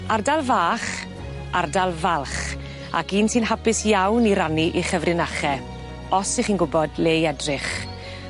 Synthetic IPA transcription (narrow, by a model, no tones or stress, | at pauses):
ardalˠvaːχ | ʔardalˠvalˠχ | a̰kiːnsɨːnhapɪsjawniɾaniʔiχəvrɪnaχɛ | ɔsɪχiːnɡʊbɔdleːjɛdrɪχ